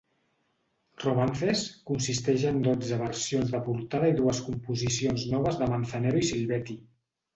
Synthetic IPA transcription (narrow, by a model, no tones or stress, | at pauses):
rumanθeskunsist̪ɛʒənd̪od͡zəβəɾsionzðəpuɾt̪aðəiðuəskumpuzisionznɔβ̞əzðəmənθəneɾuisilˠβɛt̪i